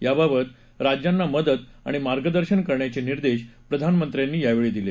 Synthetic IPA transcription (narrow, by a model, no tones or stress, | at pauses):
jababət̪ | ɾad͡ʑjanːaməd̪ət̪ | a̰ɽ̃imaɾɡəd̪əɾɕənkəɾɳjat͡ɕeniɾd̪eɕpɾəd̪ʱanmənt̪ɾjanːiːjaʋeɭid̪ile